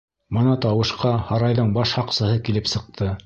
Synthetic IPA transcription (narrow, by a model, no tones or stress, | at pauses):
mɤ̆nɑt̪ɑwɤ̆ʃqɑhɑɾɑjðɤɴbɑʃhɑqsɤ̆hɤkilɘpsɤ̆q̚t̪ʰɤ